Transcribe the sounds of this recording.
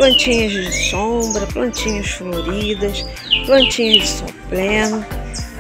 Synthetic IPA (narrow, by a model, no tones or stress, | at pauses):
plɐ̃nt͡ʃĩɲɐzd͡ʒd͡ʒɪsõbɾɐplɐ̃nt͡ʃĩɲɐsfloɾiid̪ɐs | plɐ̃nt͡ʃĩɲɐzd͡ʒɪsõ̰plẽnʊ